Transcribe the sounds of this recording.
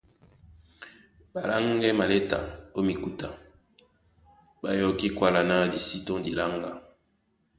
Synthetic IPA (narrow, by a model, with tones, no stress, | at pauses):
ba˨la˦ŋɡɛ˦ma˨le˦ta̰˨o˦mi˨ku˦ta˨ | ba˨jɔ˨ki˦kwa˦la˨na˦di˨si˦tɔ̃˦di˨la˦ŋɡa˦